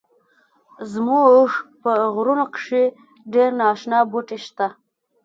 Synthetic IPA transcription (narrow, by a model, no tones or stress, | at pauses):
zmuʐpəɣɾunokʂe | ɖeɾnɑʃnɑbuʈeʃt̪a